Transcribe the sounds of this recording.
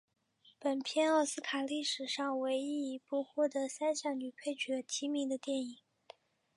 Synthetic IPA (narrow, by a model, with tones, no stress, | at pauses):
pə˨˩npʰjɛ˥˧nɑ˥˩sɹ̩˥kʰa˨˩li˥˩ʂɻ̩˨˩ʂɑ˥˧ŋwe˧˥ɪi˥˩i˧˥pu˥˧xwɔ˥˩t̪ɤ˧˥sa˥nɕjɑ˨˩ŋny˨˩pʰe˥˩ɪt͡ɕɥɛ˧˥t̪ʰi˧˥mi˧˥ŋd̪ə˧t̪jɛ˥˩ni˨˩˦